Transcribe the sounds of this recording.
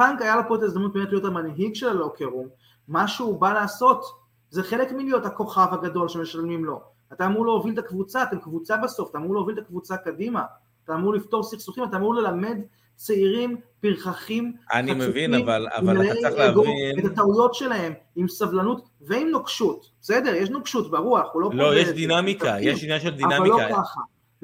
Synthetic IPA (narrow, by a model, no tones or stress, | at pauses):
paŋkajalopotaezd̪amnut̪̚bemetlijotamanɦiɡʃelalo̞keʁumː | aʃbalaːso̞t | ze̞χe̞le̞kmilijo̞thako̞χavaɡado̞lʃeme̞ʃalmimlo̞ | ataːmuʁleovilt̪akvut͡satemkvut͡sabaso̞fatamuʁleovilt̪akvut͡sakadima | taːmuʁlifto̞ʁsiχsuχimat̪aːmuʁle̞lame̞d | t͡seiʁimpiʁχaχima̰niameuvinaivala̰valaleeɡoet̪at̪aujo̞tʃe̞lahe̞mimsavlanut | veimnokʃutbsede̞ʁjeʃnokʃutbaʁuaχulo̞lojeʃd̪inamikajeʃnjaʃed̪ianavalːokaχa̰